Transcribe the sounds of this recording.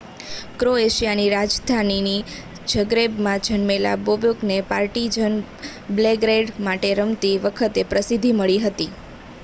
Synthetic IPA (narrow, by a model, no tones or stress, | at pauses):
kɾoeʃijaniɾad͡ʒd̪ʱanini | d͡ʒəɡɾebmãd͡ʒʱənmela̰bobjoknepaɾʈid͡ʒən | bleɡɾeɖmaʈeɾəmt̪iʋəkʰət̪epɾəsid̪ʱiməɭiɦət̪i